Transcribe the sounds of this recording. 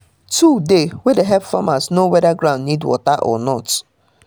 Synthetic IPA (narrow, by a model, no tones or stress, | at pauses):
tudewedeɦɛpfamasnowɛdaɡɾãʊ̃ndnidwɔ̰taʔɔ̰nɔt